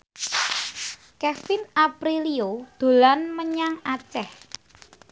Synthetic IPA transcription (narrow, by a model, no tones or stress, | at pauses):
kɛfɪnapɾiliod̪̥o̤lanməɲaŋat͡ʃɛh